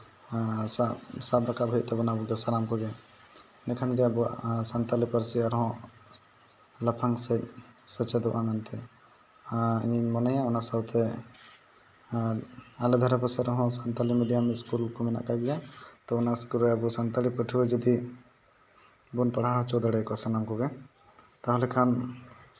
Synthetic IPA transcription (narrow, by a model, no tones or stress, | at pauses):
sasabɾakaʔbʱɛt̪̚t̪ɛbɔnabuɡɛsalamkɔɡɛ | nɛkʰanɡɛabusant̪alipəɾsiaɾɦɔ̃ | ləpʰaŋsɛsət͡ʃɛd̪ɔʔʔamɛnt̪ɛ | iɲiɲmɔnɛjãɔnasawt̪ʰɛ | alɛd̪ʱaɾapəɾsaɾɦɔ̃sant̪alimiɖijamɛskulkɔmɛna̰ʔkajd͡ʒat̪ɔɔnaskuɾɛabɔsant̪alipəʈʰibɛd͡ʒɔd̪i | bunpaɽaɦɔt͡ʃɔd̪aɽɛkɔsanamkɔɡɛ | t̪ɔɦɔlɛkʰan